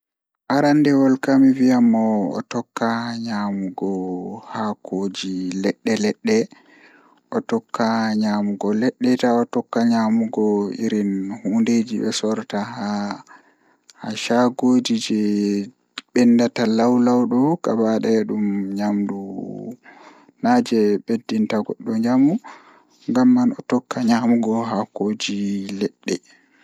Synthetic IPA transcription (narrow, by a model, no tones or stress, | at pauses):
ʔaɾandɛwɔlkamivijamːɔɔ̰tɔkːaɲamuɡɔhakʰod͡ʒilɛɗːɛlɛɗːɛ | ʔɔtɔkːaɲamuɡɔlɛɗːɛtaɔtɔkːaɲamuɡɔḭɾinhuːnded͡ʒiɓɛsɔɾtaɦa | haʃaɡoːd͡ʒid͡ʒɛ | ɓɛnːdatalawlawɗɔkabaɗɛɗumɲamdu | nad͡ʒɛɓedːintaɡɔɗːɔɲamu | ŋɡamːanɔtɔkːaɲamuɡɔɦakod͡ʒilɛɗːɛ